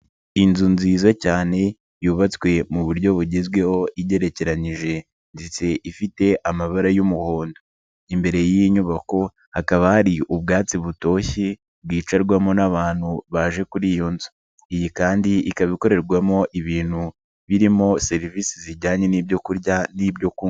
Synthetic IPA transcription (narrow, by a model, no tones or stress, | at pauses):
inzunziːzocaːne̞ | juːβat͡swe̞muβuɾɟo̞βuɟezɡwe̞ho̞ʔiɟe̞ɾe̞ce̞ɾaɲiʒe̞ | ndit͡se̞ʔifite̞ʔamaβaɾajumuho̞ːndo | imbe̞ɾe̞jiɲuβako̞ | hakaβahaɾiʔuβ̚ɡaːt͡siβuto̞ːçi | b̚ɡwiːt͡ʃaɾɡwamo̞naβaːn̥huβaʒe̞kuɾijoːnzu̥ | ijikaːndiikaβiko̞ɾe̞ɾɡwamo̞ʔiβiːn̥hu | βiɾimo̞se̞ɾiviːsiziɟaːɲe̞niːbɟo̞kuɾɟanibɟo̞ku